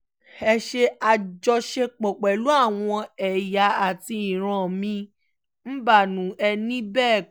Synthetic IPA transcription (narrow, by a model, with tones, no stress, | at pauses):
ɛ˧ʃe˧a˧d͡ʒɔ˧ʃe˧k͡pɔ˨k͡pɛ˨lu˨˦a˦˨w̃ɔ̃˧ɛ˨ja˨˧˦a˨ti˧i˨ɾ̃ã˨mĩ˧˦ | m̩˦ba˦˨nũ˨˦ɛ˧nĩ˦bɛː˦˨